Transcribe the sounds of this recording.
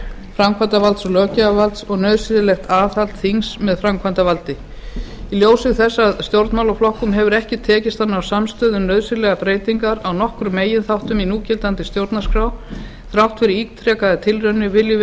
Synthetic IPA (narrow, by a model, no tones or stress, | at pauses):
fɾamkʰvant̪avalt̪sɔɣlœːcɪavalt̪sɔɣnœðsɪðɪlɛxt̪ʰaːθalt̪θiŋsmɛðfɾamkʰvant̪avalt̪ɪ | iljoːwsɪɣθɛsːaðst̪jowɾt̪mawlawflɔhkʏmɦɛvʏɾɛhcɪt̪ʰɛːcɪst̪θhanːaawsamst̪œːðʏmnœðsɪɾlɛɣapɾeːjt̪iŋkaɾawnɔhkɾʏmːeːjɪnθawht̪ʏminuːcɪlt̪ant̪ɪst̪jowɾt̪naskɾaw | θɾawht̪fɪɾɪɾikt̪ʰɾɛːkaðɪt̪ʰɪlrœɥnːʏvɪlːɪ